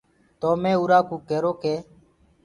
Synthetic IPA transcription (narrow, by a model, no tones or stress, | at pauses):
t̪oːmẽːuːɾaːkũːkeːɾoːkeː